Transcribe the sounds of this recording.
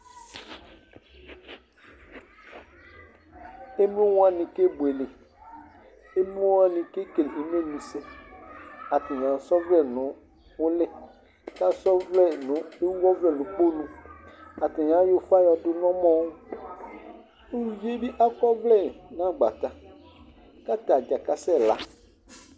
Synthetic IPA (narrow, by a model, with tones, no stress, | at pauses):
e˦m˦ũ˦wũ˦a˦˨nɪ̃˨ke˦bwe˨le˨ | e˦m˦o˦wa˦nĩ˨ke˦ke˨li˨m˦ẽ˦˨mĩ˨sɛ˦ | a˨tɪ˨ɲ˨ã˨sɔ˦vlɛ˦nʊ̃˨ | ʊ˦lɛ˦ | ka˦sɔ˦vlɛ˦˨nʊ̃˦e˦ɔ˦vlɛ˦˨nʊ̃˨k͡po˦nũ˨a˨tɪ˨ɲ˨ã˨˦jʊ˦fa˦jɔ˨dʊ˦nɔ̃˦mɔ̃˦w | u˦˨˦vi˦e˦bi˦ʔa˦kɔ˦vlɛ˦˨nã˦˨ɡ͡ba˨t̪a˨ | ka˦t̪a˨d͡ʒa˨ka˦sɛ˦˨la˦